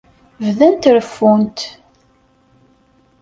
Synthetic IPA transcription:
vðænt̪ɾəfːunt̪

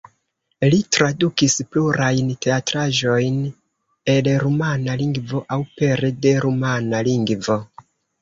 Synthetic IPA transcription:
litɾadukispluɾajnte̞atɾaʒo̞jn | e̞lɾumanaliŋɡvo̞ʔawpe̞ɾede̞ɾumanaliŋɡvo̞

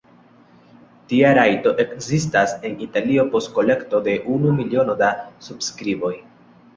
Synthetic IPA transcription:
tiaɾajto̞ʔe̞kzistase̞nitalio̞po̞st̚ko̞le̞kto̞de̞ʔunumilio̞no̞dasubskɾibo̞j

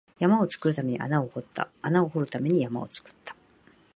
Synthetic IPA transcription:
jamao̞t͡sɨ̥kɯ̟ɾɯ̟t̪ame̞ɲ̟ḭʔa̰naohot̪ːa̰ːnaohoɾɯ̟t̪ame̞ɲ̟ijama̰ot͡sɨ̥kɯ̥t̪ʰːḁ

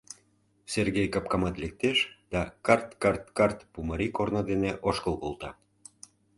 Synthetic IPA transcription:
serɣejkɑp̚kɑmɑt̪lek̚t̪eʃd̪̥ɑkɑrt̪kɑrt̪kɑrt̪puməɾikornod̪eneʔoʃkəlˠkolˠt̪ɑ

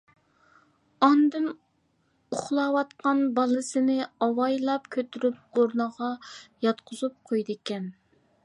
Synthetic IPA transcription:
ɑnd̪ɨn | uχlˠɑːwɑt̪qɑnbɑlˠɨsɨnɪɑwɑjlˠɑp̚kʲʰøt̪ʰyɾyp̚oɾnəʁɑjɑt̪qʰʊzup̚qʰojd̪ɪkʲɛn

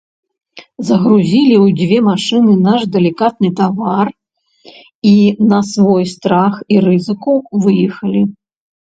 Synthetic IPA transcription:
zɐɣɾuzʲilʲiwd͡zʲvʲɛmaʂɨnɨnaʐd̪ɛlʲikat̪̚nɨt̪avar | inɐsvɔjst̪ɾaxiɾɨzɨkuvɨjɛxɐlʲi

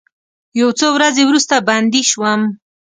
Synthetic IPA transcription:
jawt͡sowɾazewɾust̪aband̪iʃwəm

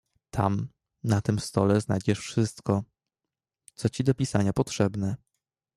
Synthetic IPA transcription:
t̪ʰam | nat̪ɘmst̪ɔlɛznajd͡ʑɛʂfʂɘst̪kɔ | t̪sɔt͡ɕid̪ɔpʲisaɲapɔt̪ʂɛbnɛ

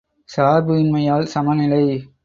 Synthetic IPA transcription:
saːɾbɯɪnmɐjaːlsɐmɐnɪlɐɪ

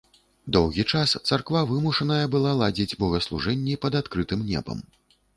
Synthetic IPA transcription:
d̪ɔwɣʲit͡ʂast̪sarkvavɨmuʂɐnɐjɐbɨlˠalˠad͡zʲid͡zʲbɔɣɐslˠṵʐɛnʲːipɐd̪at̪kɾɨt̪ɨmnʲɛ̰bɐ̰m

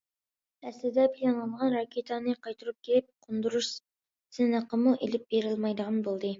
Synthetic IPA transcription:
ɛslɪd̪ɛpʰilʲɑnlˠɑnʁɑnɾɑkʲʰet̪ʰɑnɨqʰɑjt̪ʰuɾup̚kʲʰelɪp̚qʰond̪uɾuʃ | sɪnəqːəmuʔelɪp̚beɾɪlmɑjd̪əʁɑnbolˠd̪ɨ

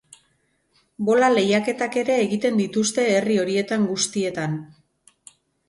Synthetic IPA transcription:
bo̞lale̞jake̞t̪ake̞ɾe̞ːɣit̪e̞nd̪it̪ust̪e̞ːrio̞ɾie̞t̪aŋɡust̪ie̞t̪an

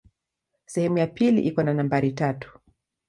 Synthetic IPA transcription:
sɛhɛmujapilḭʔikɔnanambaɾitatu̥

